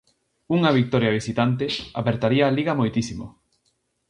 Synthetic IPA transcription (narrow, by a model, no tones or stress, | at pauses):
uŋaβik̚t̪ɔɾjaβ̞isit̪ant̪̬eapeɾt̪aɾiaːliɣɐmojt̪isimo